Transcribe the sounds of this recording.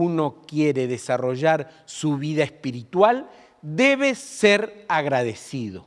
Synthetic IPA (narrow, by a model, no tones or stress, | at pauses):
uno̞kjeɾeðesaro̞ʒaɾ | suβiðaespiɾit̪wal | d̪eβeseɾaɣɾaðesiðo̰